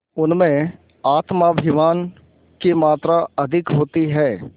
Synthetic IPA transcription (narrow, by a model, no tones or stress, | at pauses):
ʊnmẽ | aːt̪mabʱɪʋaːn | kemaːt̪ɾaɐd̪ʱɪkɦoːt̪iɦɛː